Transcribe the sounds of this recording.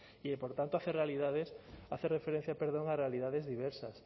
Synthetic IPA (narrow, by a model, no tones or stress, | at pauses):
iepoɾt̪ant̪oaθerealiðaðesaθerefeɾẽn̟θjapeɾðoŋarealiðaðezðiβ̞ɛɾsas